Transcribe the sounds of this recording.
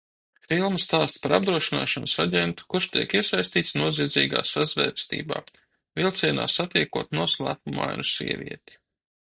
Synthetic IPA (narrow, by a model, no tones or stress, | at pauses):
filˠmɐst̪aːst̪paɾab̚d̪ɾuɔʃina̰ːʃɔnsaɟʲɛnt̪u̥kuɾʃt̪iɛkiɛsajst̪iːt̪snuɔziɛːd̪zḭːɡa̰ːsazvɛ̰ːɾst̪ḭːba̰ː | vilˠt̪siɛna̰ːsat̪ikuɔt̪nuɔslˠæ̰ːpuma̰j̰nusḭɛvʲḭɛt̪i̥